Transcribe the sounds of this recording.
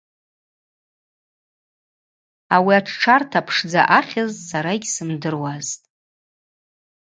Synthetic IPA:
awiaʈ͡ʂʰʈ͡ʂʰartʰapʰʂd͡zaʔaχʲazʼsaɾaiɡʲsɨmdɨrwaztʼ

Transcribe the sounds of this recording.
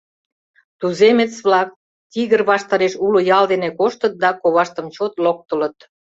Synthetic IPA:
t̪uzemet͡sβlɑk̚ | t̪iɣərβɑʃt̪ɑɾeʃulojɑld̪enekoʃt̪ət̪̚d̪ɑkoβɑʃt̪əmt͡ɕot̪lok̚t̪ə̆lət̪

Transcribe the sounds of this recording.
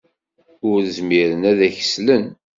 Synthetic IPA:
ʊɾəzmiɾənæðæçə̥slən

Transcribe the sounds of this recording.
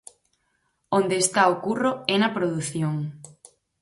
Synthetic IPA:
ond̪eːst̪aokuroɛnɐpɾoðuθjoŋ

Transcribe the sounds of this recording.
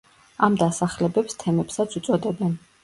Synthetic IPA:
amd̪asaχlɛbɛpst̪ʰɛmɛpsat̪sʰut̪sʼɔd̪ɛbɛn

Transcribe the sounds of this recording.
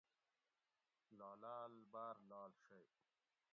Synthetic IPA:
lɑːlaːlbaːɾlaːlɕaj

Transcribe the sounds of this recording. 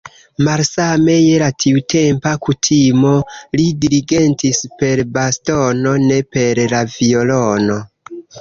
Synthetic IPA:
malsame̞jelatʰiutʰe̞mpakutʰimo̞lidiɾiɡe̞ntispe̞ɾbasto̞no̞ne̞pe̞ɾlavio̞lo̞no

